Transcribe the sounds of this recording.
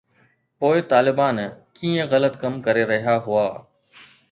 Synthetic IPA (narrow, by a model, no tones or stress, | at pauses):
poːɪt̪aːlɪbaːnkiːə̃ɣələt̪kəmkəɾeɾɐɦijaɦʊaː